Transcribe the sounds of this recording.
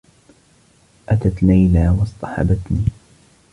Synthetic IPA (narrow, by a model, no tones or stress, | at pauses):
ʔat̪at̪lajlaːwɑsˤt̪ˤɑħɑ̰bat̪niː